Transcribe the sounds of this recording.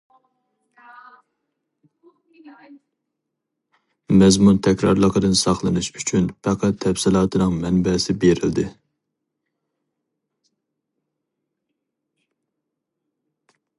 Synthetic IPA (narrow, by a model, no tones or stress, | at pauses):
mɛzmunt̪ʰɛkʲɾɑ̰ɾlˠəqəd̪ɨnsɑχlˠɨnɨʃyt͡ʃʰynpʰæqʰæt̪ʰːɛpsɪlˠɑːt̪ʰɨnɨŋmɛnbɛsɪbeɾɪld̪ɪ